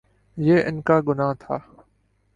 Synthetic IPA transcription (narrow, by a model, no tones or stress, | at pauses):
jeːʔɪnkaːɡʊnaːt̪ʰaː